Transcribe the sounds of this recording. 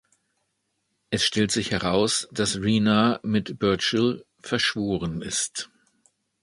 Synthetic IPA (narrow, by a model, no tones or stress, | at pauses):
ʔɛsʃtɛltz̥ɪçhɛʁaʊsd̥asʁiːnamɪtb̥œɐt͡ʃl | fɛɐʃv̥oːʁənɪst